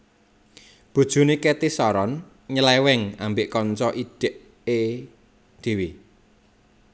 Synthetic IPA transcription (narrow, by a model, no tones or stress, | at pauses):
b̥ṳd̥ʒ̥ṳnekɛt̪isɔɾɔn | ɲəlɛwɛŋambɪʔkɔnt͡ʃɔʔiɖ̥ɛ̤ʔ | e | d̪̥e̤wi